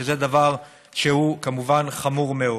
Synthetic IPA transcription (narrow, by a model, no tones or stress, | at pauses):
ezed̪avaʁ | ʃehukamuvanχamuʁmeo